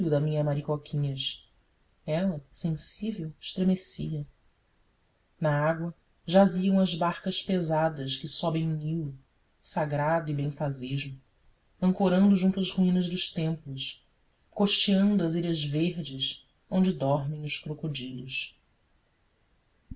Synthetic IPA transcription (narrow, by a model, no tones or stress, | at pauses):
ud̪ɐmĩɲɐmaɾikokʰʲĩɲɐʃ | ɛlɐsẽsivewɪʃt̪ɾemesiɐ | naaɡwɐ | ʒaziɐ̃w̃ɐzbaɾkɐʃpezad̪ɐʃkɪsɔbẽj̃uniw | saɡɾad̪ʊibẽj̃faziʒʊ | ɐ̃ŋkoɾɐ̃nd̪ʊʒũnt̪uɐzhuĩnɐʒd̪ʊʃt̪ẽmplʊs | koʃt͡ʃiɐ̃nd̪ʊɐziʎɐzveɾd͡ʒɪs | õñd͡ʒɪd̪ɔɾmẽj̃ʊʃkɾokod͡ʒid̪ʊs